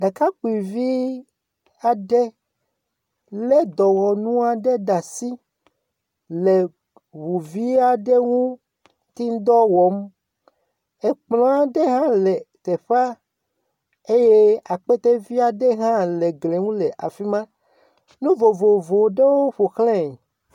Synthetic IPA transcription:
ɖa˨ka˦k͡pu˨i˨vi˦ | a˨ɖe˦ | le˦d̪ɔ˨wɔ˨nũ˦a˨ɖe˦ɖa˨si˦ | le˨ | βu˨vi˦a˨ɖe˦ŋũ˦ | t̪i˦n˦d̪ɔ˦wɔ˨˦m | e˨k͡plɔ̃˦a˦ɖe˦ɦã˦le˨t̪e˨ɸa˦ | e˦je˦a˨k͡pe˦t̪e˦vi˦a˨ɖe˦ɦã˦le˨ɡle˨ŋũ˦le˨ʔa˨fi˦mã˦ | nũ˦vo˨vo˨vo˨ɖe˦wo˦ɸo˨xlɛ̃˦˨

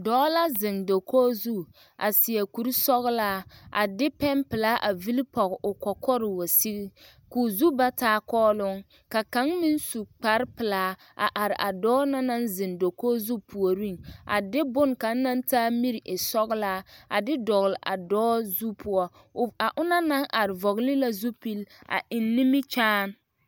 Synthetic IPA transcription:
dɔː˨˦la˦zɪ˨ŋdo˨koː˦zu˦ | ʔa̰˨sɪ˨ɛ˨ku˨ɾi˦sɔ˦ɣlaː˦ʔa̰˨dɪ˦pɛ˦mpɪ˨laː˦ʔa˨vi˦li˦pɔ˨ɣʔʊ˨kɔ˨kʰɔ˦ɾɪ˨wo˨si˦ɣi˦ | ku˨zu˦ba˦taː˦kɔː˦lʊ˦ŋ | ka˨ka˨˦ŋmi˦n˦su˨k͡pa˨ɾpɪ˨laː˦ | ʔa̰˨ʔa˨ɾɪ˨ʔa˨dɔː˦na˦na˦nzɪ˨ndo˨koː˦zu˦pʰu˨o˨ɾi˦˨ŋʔa̰˨dɪ˦bʊ˦˨nka˨n̩˦na˦ntaː˦mi˦ɾi˨ʔɪ˨sɔ˦ɣlaː˦a̰˨dɪ˦dɔ˨ɣɪ˨lɪ˨ʔa̰˨dɔː˦zu˦pʰʊ˦ɔ˦ | a˨ʔʊ˦na˦na˦ŋʔa˨ɾɪ˨vɔ˨ɣlɪ˦la˦zu˦pi˦lʔa̰˨ʔɪ˨nːi˦mi˦t͡ʃaː˦n˦

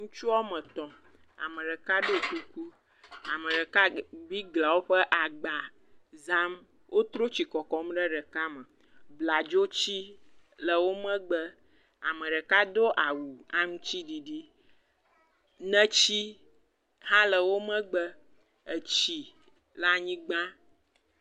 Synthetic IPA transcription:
ŋũ˦t͡ʃu˦a˦mə̃˨t̪ɔ̃˨ | a̰˨mə̃˨ɖə˨ka˦ɖo˦ku˦ku˦ | a˨mə̃˨ɖə˨ka˦bi˦ɡla˨wo˦ɸə˦ʔa˨ɡ͡ba˨ | za˦m | wʔo˦t̪ɾo˦t͡ɕi˨kɔ˨kɔ˨˦m˦ɖə˦ɖə˨ka˦mə˨ | bla˨d͡ʒo˦t͡ɕi˦lə˨wo˦mə̃˦ɡ͡bə˦ | a̰˨mə˨ɖə˨ka˦d̪o˦ʔa˨wu˨a˦ŋũ˦t͡ɕi˦ɖi˨ɖi˦ | nə̃˦t͡ɕi˦ | hã˦lə˨wo˦mə̃˦ɡ͡bə˦ | ə˨t͡ɕi˨ | la˦ɲĩ˦ɡ͡bã˦

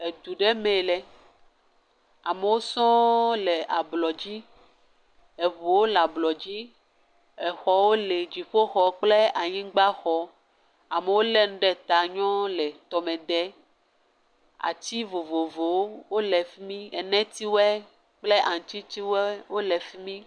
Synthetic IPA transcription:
e˨d̪u˨ɖe˦mẽ˨lɛ˨ | a˨me˨wo˦sɔ̃˦le˨a˨blɔ˨d͡ʑi˦ | e˨βo˨wo˦la˨blɔ˨d͡ʑi˦ | ɛ˨xɔ˨wo˦le˨d͡ʑi˨ɸo˦xɔ˨k͡ple˦a˨ɲĩ˦ɡ͡ba˦xɔ˨ | a˨me˨wo˦lɛ˦nũ˦ɖɛ˦t̪a˨ɲɔ̃˦lɛ˨t̪ɔ˨me˨d̪ɛ˦ | a̰˨t͡ɕi˦vo˨vo˨vo˨wo˦wo˦lɛ˨fi˦mĩ˦ɛ˨nɛ̃˦t̪i˦wɛ˦ | k͡ple˦ʔa˨ŋ̩˨t̪i˦t̪i˦wɛ˦wo˦lɛ˨fi˦mĩ˦

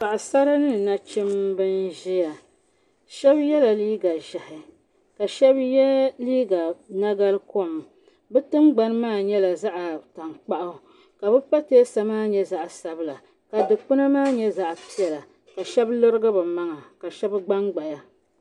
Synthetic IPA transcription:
ka˨ʔa˨sa˦ɾa˦nɨ˦˨na˦t͡ʃɪ˦mbɨ˦nʒi˦ja˨ | ʃɛ˦bjɛ˦la˨liː˦ɡa˨ʒa˨hɪ˨ | ka˨ʃɛ˦bjɛ˦liː˦ɡa˨na˦ɡa˦lɨ˦ko˦˨m | bɨ˦tɨ˦ŋɡ͡ba˦n˦maː˦˨ɲɛ˦la˨za˦ʔa˨ta˨ŋ͡mk͡pa˦ʔʊ˦ | ka˨bɨ˦pa˦te˦sa˨maː˦ɲɛ˦za˦ʔsa˦bɨ˦la˨ | ka˨dɨ˨k͡pɨ˦na˦maː˦ɲɛ˦za˦ʔpi˦jɛ˨la˨ | ka˨ʃɛ˦blo˦ɾɨ˦ɡɨ˦bɨ˨ma˦ŋa˨ka˨ʃɛ˦bɡ͡ba˦ŋɡ͡ba˨ja˨

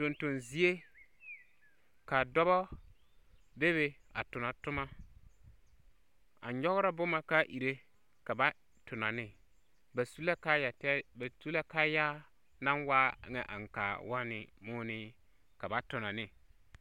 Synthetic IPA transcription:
to˨nto˨nzi˦e˦ | ka˨dɔ˦βɔ˦ | de˦βe˨a̰˨tʊ˨na˨tʊ˦ma˦ | a̰˨ɲɔ˦ɣɾa˦bʊ˦ma˨ka˦ʔi˨ɾe˦ | ka˨ba˦ | tʰʊ˨na˨nɪ˦ | ba˨su˦la˦ka˦ja˨tɛ˦ba˨su˦la˦ka˦ja˦ | na˦nwaː˦˨˦ŋɛ˨ʔa̰˨ŋ˨ka̰˨wa˦nɪ˨mʊː˦nɪ˦ | ka˨ba˨tʊ˨na˨nɪ˦

